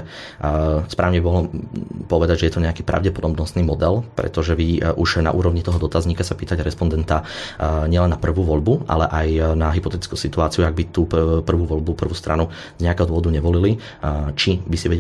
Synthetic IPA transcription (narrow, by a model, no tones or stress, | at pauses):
spɾaːʊɲɛbibɔɦlɔpɔʋɛd̪aɟʒɛjɛt̪ɔɲɛakiːpɾʔa̰ʊɟɛpɔd̪ɔbnɔst̪niːmɔd̪ɛlpɾɛ̰t̪ɔʒɛʋiʔuʒna̰ʔṵːɾɔʋɲit̪ɔɦɔd̪ɔt̪azɲikasapiːt̪aɟɾɛspɔnd̪ɛnt̪aɲɪɛlɛnːapr̩ʋuːʋɔʎbuʔa̰lɛʔajnaɦipɔt̪ɛt̪i̥t͡skuːsit̪uaːt͡siuaɡ̚bit̪uːpr̩ʋuːʋɔʎbupr̩ʋuːst̪ɾʔa̰nu | zɲɛakɛːɦɔd̪ʋɔʋɔd̪uɲɛʋɔlili | t͡ʃibisiʋɛɟɛ